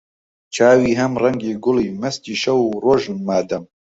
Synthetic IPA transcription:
t͡ʃʰaːwiːɦɐmrɐŋɡiːɡʊliːmɐst̪iːʃɐwuroːʒmaːd̪ɐm

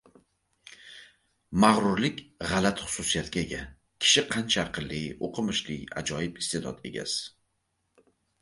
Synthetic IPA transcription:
maʁɾʊɾlɪkʲʁɑlat̪χʊ̥susijat̪kʲaeɡʲa | kʲʰɪ̥ʃɪqʰɑnt͡ʃʰaɾqʰɨlːɪjoqʰɨmɪʃlɪja̰d͡ʒɒjɪpɪ̥st̪ʰed̪ɒ̰t̪e̞̰ɡʲa̰s

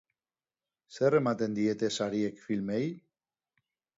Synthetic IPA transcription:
seremat̪end̪iet̪esaɾiekfilmej

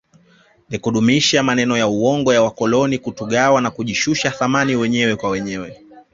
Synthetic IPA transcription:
nikuɗumiʃamanɛnɔjauwɔŋɡɔjawakɔlɔnikutuɠawanakuʄiʃuʃaθamaniwɛɲɛwɛkwawɛɲɛwɛ

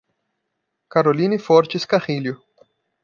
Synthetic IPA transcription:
kaɾolinifɔɾt͡ʃɪskaʁiljʊ

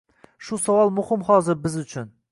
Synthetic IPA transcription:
ʃʊsawɒlˠmʊhɪmχɒːzɪɾbɪzʊt͡ʃʰʊn

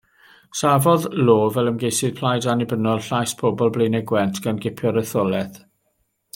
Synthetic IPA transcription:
savɔðloːvɛlˠəmɡejsɪð̥pʰl̥ˠajdanɪbənɔlˠɬajspʰɔbɔlˠblenɛɡwɛntʰɡ̥anɡɪpʰjɔɾəθɔlˠɛθ

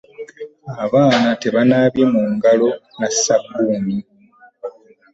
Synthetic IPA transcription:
aβaːnate̞βanaβimuːŋɡalo̞ | nasabːuːni

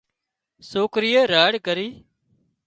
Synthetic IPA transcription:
soːkɾijəːɾaːɽkəɾiː

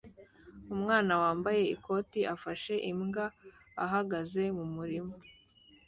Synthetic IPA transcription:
umŋaːnawaːmbaje̞ikʰo̞ːtiʔafaʃe̞ʔimŋɡaː | ɦaɡaze̞mumuɾimo

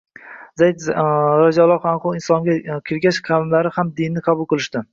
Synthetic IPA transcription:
zajɪd̪ɾad͡ʒalˠɒqanqʊlˠɪnsɒŋɡʲakʲʰɪɾɡʲaʃqʰɑlɪmlaɾɪhamd̪ɪnːɪqʰɑbʊlˠqɨlˠɪʃt̪ɪ

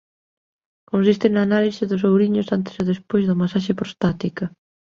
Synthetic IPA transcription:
kons̬ist̪ɪnaːnalisɪðʊs̬owɾiɲʊsant̪ɪ̥seðespojzðɐmasaʃ̬epɾost̪at̪ikɐ

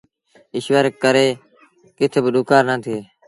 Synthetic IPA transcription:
ɪʃʋəɾkːəɾeː | kɪt̪ʰeːbəɗʊːkaːɾnãːt̪ʰeː

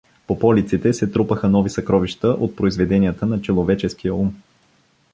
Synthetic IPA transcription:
popɔlit̪sit̪ɛsɛt̪ɾupəxənɔvisɐkɾɔviʃt̪əʔot̪̚pɾoizvɛd̪ɛnijət̪ənɐt͡ʃɛlˠovɛt͡ʃɛsk̟ijəum

